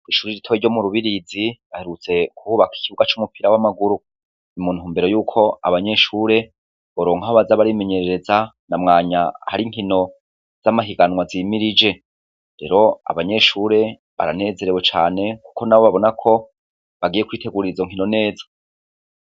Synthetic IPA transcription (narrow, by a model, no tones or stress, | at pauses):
iʃuːɾiɾitʰoiɾɟo̞muɾuβiɾiziβaheɾut͡se̞kuuːβaki̥kiβuɡat͡ʃumupiɾawamaɡuɾu | nimun̥huːmbe̞ɾo̞juːkʰo̞a̰βaɲe̞ʃuːɾe̞ | βoɾo̞ːŋhahoβazaβaɾime̞ɲe̞ɾe̞ɾeza | namŋaːɲaha̰ɾiŋ̥hino̞ | z̥amaɦiɡanwaziːmiɾid͡ʒe̞ | ɾe̞̰ɾo̞a̰βaɲe̞ʃuɾe̞ | βa̰ɾane̞ːze̞ɾewot͡ʃaːne̞ku̥ko̞naβo̞βaβo̞nakʰo̞ | βaɡije̞kwiːte̞ɡuɾiɾizo̞ŋ̥ɦino̞ne̞ːzḁ